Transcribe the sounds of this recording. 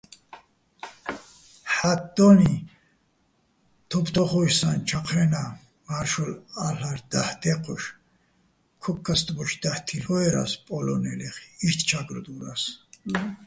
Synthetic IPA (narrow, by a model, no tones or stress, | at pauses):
ħat̚d̪ɔni | t̪ʰɔpʰt̪ʰɔχɔjsant͡ʃʰaqʰɾɛna | maɾʃɔlaɬaɾd̪aht̪ʰɛqʰɔʃ | kʰɔkʰʼːast̪ʼbɔʃd̪̥aht̪ʰiɬɔɛɾa̰spʼɔlɔnɛlɛχiʃt̪ʰt͡ʃʰaɡɾd̪uɾas